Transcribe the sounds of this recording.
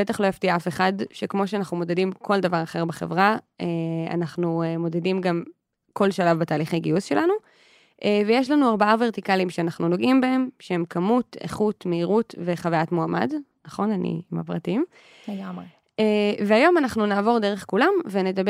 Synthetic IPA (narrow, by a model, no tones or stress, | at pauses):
bet̪aχlojaftiaafe̞χadʃekmo̞ʃ̬eanaχnumo̞dedimkʰo̞ldavaʁɐχe̞ʁbeχe̞̰vʁaea̰naχnuemo̞dedimɡam | ko̞lʃalavbetaːliχejɡiusʃe̞lʔanu | ʔevejeʃlanuaʁbaave̞ʁt̪ikalimʃeanaχnuno̞ɡimbae̞mʃehemkʰamutḛχutmeiʁutve̞χavajatmoama̰d | naχo̞nanḭima̰pʁatim | eɡae | eveajo̞manaχnunaːvo̞ʁdeʁeχkulamvene̞dab